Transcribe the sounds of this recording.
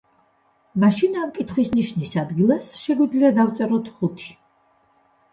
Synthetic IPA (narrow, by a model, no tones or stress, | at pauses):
maʃinamkʼit̪ʰχwisniʃnisad̪ɡilˠasʃɛɡwid̪zliad̪aft̪sʼɛɾɔt̪ʰχut̪ʰi̥